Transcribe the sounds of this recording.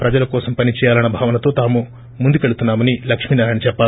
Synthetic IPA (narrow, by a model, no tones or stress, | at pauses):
pɾɐd͡ʒɐlɐkɔːsɐmpɐnit͡ʃɛːjaːlɐnɐbʱaːʋɐnɐt̪o̞ːt̪aːmu | mund̪ukeɭut̪unːaːmɐnilɐkʂmiːnaːɾɐnɐt͡ʃɛpːaː